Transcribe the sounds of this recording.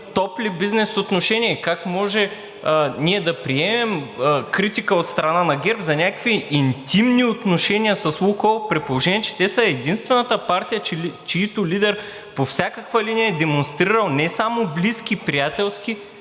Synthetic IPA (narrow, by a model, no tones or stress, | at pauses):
t̪ɔplibiznɛsot̪noʃɛniɛkakmɔʒɛ | niɛd̪ɐpɾiɛmɛmkɾit̪ikəot̪st̪ɾɐnanɐɡʲɛɾpzɐnʲakviint̪imniot̪noʃɛnʲijɐsɐsukopɾɛt̪̚polˠoʒɛniɛt͡ʃɛ̥t̪ɛsəɛd̪inst̪vɛnɐt̪əpaɾt̪ijət͡ʃt͡ʃiit̪ʊlʲid̪ɛɾ | pofsʲakəkvɐliniɐɛd̪ɛmonst̪ɾiɾɐlˠnɛsamoblisk̟ipɾijat̪ɛlˠskʲi